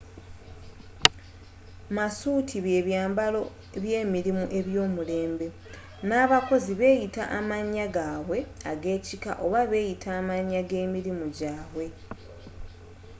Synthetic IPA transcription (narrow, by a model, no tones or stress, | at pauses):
masuːtʰiβe̞βjaːmbalo̞ | βje̞ːmiɾimuʔe̞βjo̞ːmule̞ːmbe̞ | naːβako̞ziβe̞ːjita̰ʔamaɲːaɡaːwe̞aɡe̞ːcika̰ʔo̞βaβe̞ːjitʰaːmaɲːaɡe̞ːmiɾimuɟaːβwe̞